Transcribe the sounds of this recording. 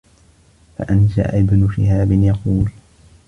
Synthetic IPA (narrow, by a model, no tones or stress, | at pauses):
fa̰ʔanʃa̰ʔʔɪbnʊʃɪ̰haːbɪnjɑquːl